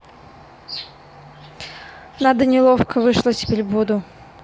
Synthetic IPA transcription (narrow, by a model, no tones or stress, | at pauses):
nad̪ənʲɪlˠofkəvɨʂlˠəsʲɪ̥pʲeɾʲbud̪ʊ